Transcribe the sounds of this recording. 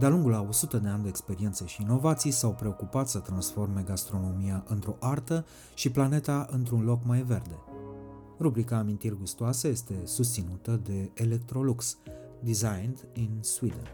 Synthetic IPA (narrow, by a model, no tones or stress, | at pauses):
d̪ealuŋɡulao̞sut̪əd̪e̞anʲd̪e̞ekspe̞ɾie̞nt̪səʃiːno̞vat̪sijsawpɾe̞o̞kupat̪sət̪ɾansfo̞rme̞ɡast̪ɾo̞no̞miaʔɨnt̪ɾo̞ʔart̪ə | ʃiplane̞t̪aʔɨnt̪ɾunlo̞kmajve̞rd̪e̞ | rubɾikaːmint̪irʲɡust̪oasəje̞st̪e̞sus̬t̪sinut̪əd̪e̞ːle̞k̚t̪ɾo̞luks | d̪izajnd̪inswid̪ən